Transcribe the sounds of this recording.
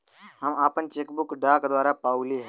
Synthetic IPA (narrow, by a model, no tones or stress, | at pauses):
ɦamapəɳt͡ɕekbukɖakd̪ʋaɾapawliɦɛ